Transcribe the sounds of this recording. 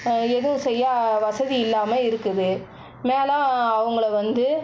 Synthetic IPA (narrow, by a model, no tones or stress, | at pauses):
ɛðɯʋɯ̃sɛjːaːʋɐsɐðiɪlːaːmɐɪɾɯkːɯðɯ | meːlãːɐʋɐŋɡɐɭɐʋɐnd̪ɯ